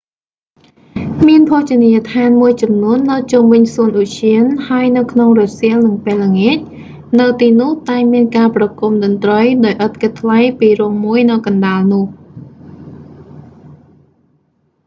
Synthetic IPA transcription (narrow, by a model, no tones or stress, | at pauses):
miənpʰoːht͡ɕiəniət̪ʰaːnmuəjt͡ɕɑmnuənːɨwt͡ɕumʋɨɲsuənʔuʔt͡ɕʰiənhaəjnɨwkʰnoŋrosiəlnɨŋpeəlːəŋeːc̚ | nɨwt̪iːnʊ̆əht̪aɛmiənkaːprɑkumɗɑnt̪rəjɗaɔjʔət̪̚kɨt̪ʰːʋajpiːrŭəŋmuəjnɨwkɑnɗaːlnʊ̆əh